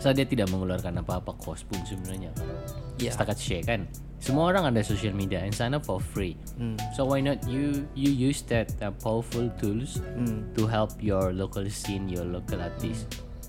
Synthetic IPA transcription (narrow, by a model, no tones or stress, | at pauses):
sadiat̪idaʔməŋuluarkanapaːpakʰɔspʊnsəbənaɲakasət̪akat̪̚ʃɛkan | səmuaoɾaŋadasosialmediaɛnsanapɔfɾi | sowajnɔt̪jujujusd̪ɛt̪̚pawərfult̪ʰulst̪uɦɛlpjɔrlokalst̪injɔrlokalat̪ɪs